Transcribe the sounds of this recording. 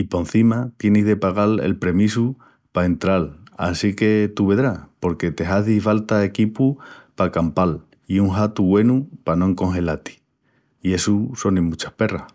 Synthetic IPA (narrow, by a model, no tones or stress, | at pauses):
ipo̞n̟θimat̪je̞nizðe̞paɣale̞̰lpɾe̞misu | pae̞nt̪ɾala̰sike̞t̪uβe̞ðɾapo̞ɾke̞t̪e̞ɦaðifalt̪ae̞kipupakampal | iuŋɦat̪uɣwe̞nupanoeŋko̞ŋxe̞lat̪i̥ | ie̞suso̞neŋmut͡ʃḁhpe̞rah